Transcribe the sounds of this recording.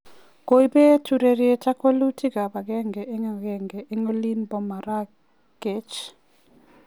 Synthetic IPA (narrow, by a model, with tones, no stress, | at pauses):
ko˨i˦be˦tu˨ɾe˨ɾɪe˨t͡ʃa˦ko˦lu˦tʰi˦ɡa˨ba˨ɡɛ˦ŋɡɛ˨ʔe˦ŋa˦˨ɡɛ˦˨ŋɡɛ˨ʔe˦ŋo˦li˦nbɔ˨ma˨ɾa˦ | ke˨˦t͡ʃ